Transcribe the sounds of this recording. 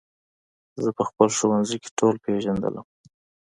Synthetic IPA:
zəpəxpəlʃowanzijke̥ʈolpeʒand̪ə̰la̰m

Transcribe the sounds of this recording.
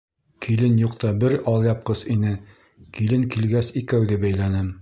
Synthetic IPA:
kʰilɘnjuqt̪ɑbɘɾɒlˠjɑp̚qɤsinɘ | kilɘŋkilɡæsikæwðɘbæjlænɘm

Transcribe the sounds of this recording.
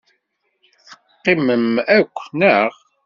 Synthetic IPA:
θəqːɪməmækʷːnəʁ

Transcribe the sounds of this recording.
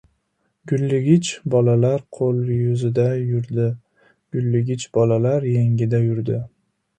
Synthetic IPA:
ɡʲʊlːɪɡʲɪt͡ʃbɒlalaɾqʰolˠjʊzɪd̪ajʊɾd̪ɪ | ɡ̥ʲʊlːɪɡʲɪt͡ʃbɒlalaɾjeŋʲɪd̪ajʊɾd̪ɪ

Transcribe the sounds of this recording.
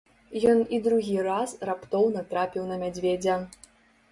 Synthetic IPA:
jɔnid̪ɾuɣʲiɾasrapt̪ɔwnɐt̪ɾapʲiwnɐmʲad͡zʲvʲed͡zʲɛ

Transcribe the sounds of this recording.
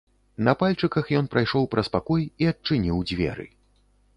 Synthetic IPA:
nɐpalʲt͡ʂɨkɐxjɔn̪pɾajʂɔwpɾɐspakɔjiɐt͡ʂɨnʲiwd͡zʲvʲɛ̰ɾɨ̰

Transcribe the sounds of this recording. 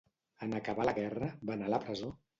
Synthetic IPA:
ənəkəβaləɣɛrəβanaləpɾəzo

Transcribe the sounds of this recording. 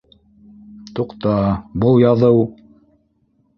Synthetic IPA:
t̪uqt̪ɑbɤlˠjɑðɤw

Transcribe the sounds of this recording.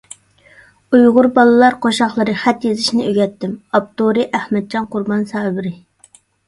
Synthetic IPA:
ujʁʊɾbɑlˠɨlˠɑɾqʰoʃɑχlˠəɾɨχɛt̪jezɪʃnɪøɡʲɛt̪ːɪmɑp̚t̪oɾɨʔæhmɛd̪̚d͡ʒɑnqʰʊɾbɑnsɑːbɪɾɪ

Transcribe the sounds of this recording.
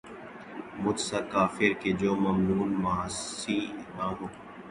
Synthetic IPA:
mʊt̪sakaːfɪɾked͡ʒoːmɐmnuːnmasiːnãːɦoː

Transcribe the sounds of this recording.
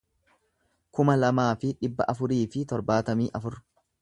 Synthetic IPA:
kʊmɐlɐmaːfɪᶑɪbːɐʔɐfʊɾiːfɪt̪ɔɾbaːt̪ɐmiːʔɐfʊɾ

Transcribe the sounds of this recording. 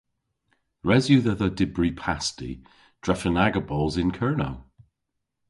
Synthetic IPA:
ɹɛzjʉðəðədɪbɹipʰastḭ | d̥ɹɛfənaɡəbɔlˠzɪ̃nkʰɜːno̰ʊ

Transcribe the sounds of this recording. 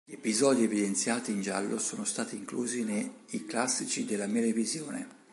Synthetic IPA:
ʎepizɔːd̪ievid̪ent̪sjaːt̪iːnd͡ʒa̰lːʔosoːnost̪aːt̪iŋkluːzineiklasːit͡ʃid̪elːamɛlevizjoːnḛ

